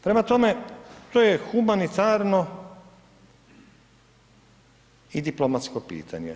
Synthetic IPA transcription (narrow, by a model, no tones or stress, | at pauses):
pɾe̞mat̪ome̞t̪ojexumanit̪aːɾno̞ | id̪iplomat̪skopḭːt̪ʰa̰ɲḛ